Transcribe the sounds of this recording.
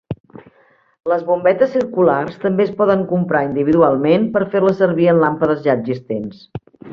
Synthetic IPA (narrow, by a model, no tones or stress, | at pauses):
ləzβumbɛt̪əsːiɾkularst̪əmbeəspɔðəŋkumpɾaind̪iβiðualˠmenpəɾferləsəɾβiənlampəðəzʎaʒist̪ens